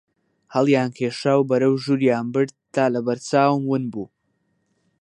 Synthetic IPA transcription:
hɐlˠjaːnkʰeːʃaːwbɐɾɐwʒuːɾjaːnbɨɾd̪̚t̪aːlɐbɐɾt͡saːwmwɨnbuː

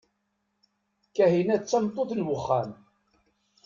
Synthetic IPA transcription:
kæɦinæt͡sːæmt̪ˤːoθnwəχːæ̰n

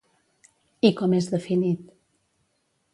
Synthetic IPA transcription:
ikɔmezðəfinit̪

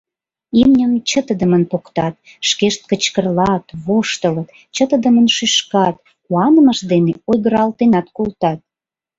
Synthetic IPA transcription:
imnʲəmt͡ɕət̪əd̪əmənpokt̪ɑt̪ | ʃkeʃt̪̚kət͡ɕkərlɑt̪βoʃt̪ələt̪ | t͡ɕət̪əd̪əmənʃyʃkɑt̪ | kuɑnəməʃd̪eneojɣəɾɑlt̪enɑt̪kolt̪ɑt̪̚

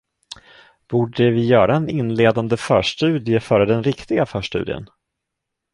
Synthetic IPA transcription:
b̥uːɖəvɪjœːɾaɛnɪnleːd̪and̪əfœːʂʈʉ̟ːd̪ɪəfœːɾəd̪ɛnɾɪkt̪ɪɡafœːʂʈʉ̟̰ːd̪ɪ̰ə̰n

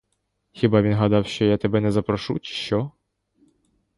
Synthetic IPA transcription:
xʲibɑʋʲinɦɐd̪ɑwʃt͡ʃɔjat̪ɛbɛnɛzɐpɾɐʃut͡ʃi̥ʃt͡ʃɔ

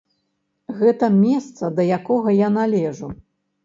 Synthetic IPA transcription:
ɣɛt̪ɐmʲɛst̪sɐd̪ɐjakɔɣɐjanalʲɛʐu

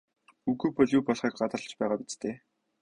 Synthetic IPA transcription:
uɣuːpɔɮjuːpɔɮχiːk̚ɢat̪ə̆rɮt͡ɕpæːʁaːpit͡st̪ʰeː

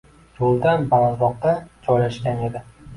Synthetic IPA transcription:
jolˠd̪anbalˠazɒq̚t̪ad͡ʒɒjlaʃkʲane̞d̪ɪ

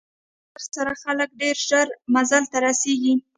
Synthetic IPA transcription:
əɾsaɾaxalək̚ɖeɾʒəɾmazalt̪aɾaseɡi

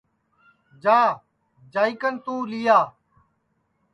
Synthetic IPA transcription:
d͡ʒaː | d͡ʒaːikənt̪ũːlɪjaː

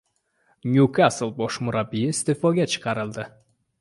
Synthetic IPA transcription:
nʲjukʰasɨlˠbɒʃmʊɾabijɪst̪efoɡʲat͡ʃʰɨ̥qʰɑɾɨlˠd̪ɪ

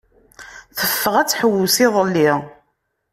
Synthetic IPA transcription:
θəfːəʁæt͡sːħəwːʊsɪðˤəlːi

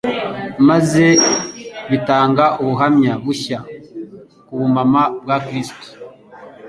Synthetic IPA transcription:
maze̞ | βitaːŋɡaʔuβuɦamɲaβuça | kuβumamabɡakɾisto̥

